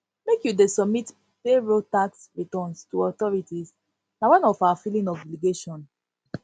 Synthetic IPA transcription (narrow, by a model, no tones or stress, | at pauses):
mekjudesɔb̚mit | feɹotaksɹitɔnstuɔtɔɹitiz | nawãnɔfawafilĩŋɔviliɡeʃɔ̃n